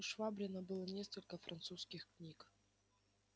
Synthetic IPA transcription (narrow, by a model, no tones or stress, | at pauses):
ʂvabɾʲɪnəbɨlˠənʲeskəlʲkəfɾʔɐnt̪suskʲɪxknʲik